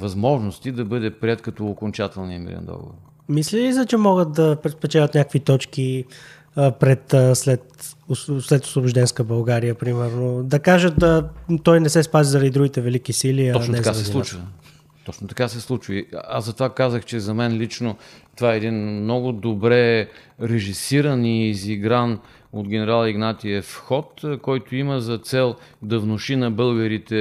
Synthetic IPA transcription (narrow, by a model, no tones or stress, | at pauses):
vɐzmɔʒnost̪id̪ɐbɤd̪ɛpɾiɛt̪kɐt̪ɔːkont͡ʃat̪ɛlˠniəmḭɾɛ̰nd̪ɔ̰ɡo̰voɾ | mislilisət͡ʃɛmɔɡət̪̚d̪ɐpɾɛt̪spɛt͡ʃɛlʲət̪nʲakəkvit̪ɔt͡ʃki | pɾɛt̪ːslɛt̪ | slɛt̪ʊ̥slˠobʊʒd̪ɛnskəbɐlˠɡaɾijəpɾimɛɾnod̪ɐkaʒət̪dət̪ɔjnɛsɛspazizɐɾɐd̪id̪ɾuɡit̪ɛvɛlikisiliɐɔnɛzkaɾɛilˠut͡ʃvə | t̪ɔt͡ʃnot̪ɐ̥kasɛslˠut͡ʃvəiazɐt̪ovakazəxt͡ʃɛzɐmɛnlit͡ʃnot̪ovaɛɛːd̪inmnɔɡʊd̪obɾɛɾɛʒisiɾəniziɡɾan | od̪ɡʲɛnɛɾalˠɐiɡnat̪iɛfxɔt̪kɔjt̪ʊiməzɐt̪sɛlˠ | d̪ɐvnoʃinɐbɤlˠɡəɾit̪ɛ